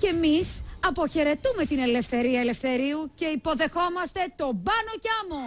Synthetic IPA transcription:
ce̞misɐpo̞çe̞ɾe̞t̪ume̞t̪ine̞le̞fθe̞ɾiɐele̞fθe̞ɾiuce̞ipo̞ðe̞xo̞mɐst̪e̞t̪o̞bɐno̞cɐmo

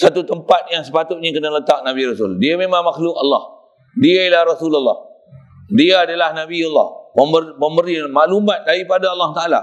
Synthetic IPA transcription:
sat̪ut̪əmpat̪̚jaŋsəpat̪ʊt̪̚ɲakənalət̪ak̚naβiɾɔsuldiamemãŋmaxlʊkalːɑ̰h | diailahrasulalːɑ̰h | diaːdalahnabialːɑ̰hpəməpəmbəɾimaʔlumãt̪̚daɾipadaɑlːɑht̪aʔala̰

